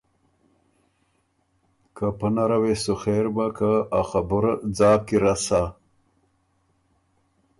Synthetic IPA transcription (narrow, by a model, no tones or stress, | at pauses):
kapənaɾawesuxeːɾbakaaxabuɾd͡zaːkiɾasa